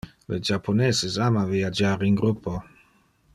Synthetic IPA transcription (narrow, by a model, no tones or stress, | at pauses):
led͡ʒapʰonezezamavijad͡ʒaːɾinɡɾupːo